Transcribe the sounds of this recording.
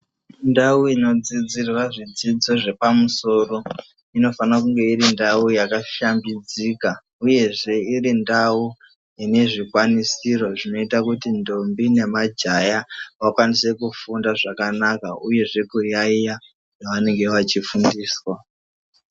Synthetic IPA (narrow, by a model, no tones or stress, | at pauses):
ndauino̞d͡zid͡zirwaʐid͡zid͡zo̞ʐe̞pamuso̞ro̞ | ino̞fanakuŋɡe̞iɾindaujakaʃambid͡ziːka | uje̞ʐe̞irindau | ine̞ʐikwanisiro̞ʐino̞itakutindo̞mbine̞mad͡ʒajawakwanise̞kufundaʐakanakauje̞ʐe̞kujaija | jaʋane̞ŋɡe̞ʋat͡ʃifundiːswa